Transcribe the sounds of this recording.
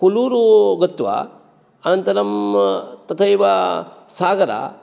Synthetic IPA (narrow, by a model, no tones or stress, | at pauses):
kuluːɾuɡɐt̪ʋɐ̰ | ɐnɐnt̪ɐɾɐmt̪ɐt̪ʰɐjʋɐ | saːɡɐɾa̰